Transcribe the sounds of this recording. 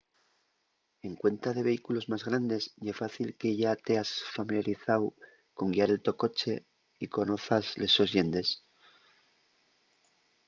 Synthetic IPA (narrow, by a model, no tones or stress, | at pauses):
e̞ŋkwe̞nt̪aðe̞βe̞ikulo̞zmazɣ̞ɾand̪e̞sʝefaθilkeʝat̪e̞asfamiljaɾiθaw | ko̞ŋɡiaɾe̞lt̪o̞ko̞t͡ʃe̞ | iko̞no̞θazle̞so̞zje̞nd̪e̞s